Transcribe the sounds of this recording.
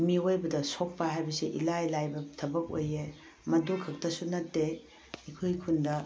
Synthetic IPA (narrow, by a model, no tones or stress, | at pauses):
miojbɐdɐsok̚pɐɦajbɐsiʔḭlajlajbɐtʰɐbɐk̚o̰je | mɐdukʰːɐk̚tʰɐsunɐtːe | ikʰojkʰundɐ